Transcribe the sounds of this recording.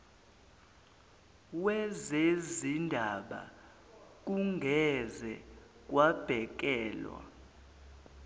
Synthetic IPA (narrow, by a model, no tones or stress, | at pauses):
wɛzezindʱaɓa̰ | k̬uŋɡʱɛzɛ | k̬ʼwab̥ʱɛk̬ɛːlwa̰